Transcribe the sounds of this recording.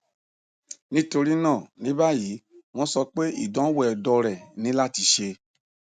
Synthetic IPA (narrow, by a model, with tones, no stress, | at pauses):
nĩ˦to˧ɾi˦nãː˦˨nĩ˨˦ba˦˨ji˨˦mɔ̃˧˦sɔ˧k͡pe˦ḭ˦˨dɔ̃˨˦wɛ˨dɔ˧ɾɛ˨nĩ˨˦la˦˨ti˧˦ʃe˧